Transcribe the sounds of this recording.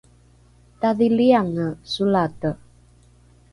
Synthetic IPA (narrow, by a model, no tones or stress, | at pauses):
t̪aðiliaŋəsulat̪ə